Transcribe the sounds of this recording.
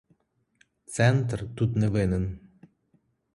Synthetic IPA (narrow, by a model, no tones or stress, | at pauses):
t̪sɛnt̪rt̪ut̪nɛvɪnɘn